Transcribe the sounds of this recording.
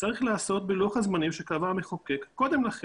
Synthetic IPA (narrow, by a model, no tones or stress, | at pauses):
t͡saʁiχlaːso̞t̪̚biluaχazmanimʃekavameχoke̞kːo̞d̪e̞mlaχe